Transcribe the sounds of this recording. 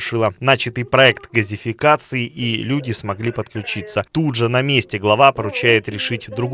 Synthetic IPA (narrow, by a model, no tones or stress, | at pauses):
ʂɨlˠənat͡ɕɪt̪ɨjpɾɐɛkt̪ɡəzʲɪfʲɪkat̪sɨɪʔilʲudʲɪsmɐɡlʲipət̪klʲʉt͡ɕit̪sət̪udʐɨnɐmʲesʲtʲɪɡlˠɐvapəɾʊt͡ɕæjɪt̪ɾʲɪʂɨtʲd̪ɾʊɡ